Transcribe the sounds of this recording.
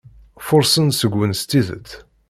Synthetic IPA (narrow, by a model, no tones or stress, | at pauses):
fʊɾsənsəɡʷwənst̪iðə̰t̪